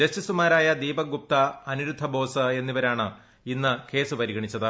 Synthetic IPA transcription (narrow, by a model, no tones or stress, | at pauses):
d͡ʑɐɕisumaːɾaːjɐd̪iːbɐɡup̚t̪ɐːnuɾud̪ʱːɐbo̞ːsɨe̞nːiʋɐɾaːɳɨ | inːɨkʰe̞ːsupɐɾiɣɐɳit͡ɕːɐðɨ